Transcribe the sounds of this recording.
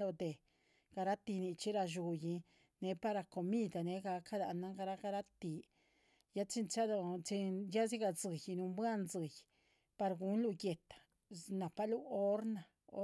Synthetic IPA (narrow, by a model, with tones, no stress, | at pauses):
lo˧d̪e˨ | ɡ̥a˧ɾa˦t̪i˧ni˧t͡ʃi˦ɾa˧ʒu˨˧ji˧ | ne˨˦pa˦ɾa˧ko˨mi˦d̪a˨ne˨˧˦ɡa˧ka˦d̪a˧na˦ŋɡa˧ɾa˦ɡa˧ɾa˦t̪i˨ | ja˦t͡ʃi˧nt͡ʃa˦d̪o˧t͡ʃi˧ja˦zi˦ɡa˧˨zɨ˨jnu˧mbʷa˦nzɨ˨j | pa˧ɾɡu˧˦nlu˧ɡe˨t̪ḁ˨ | na˨pa˦lu˦o˦ɾna˨ | o˦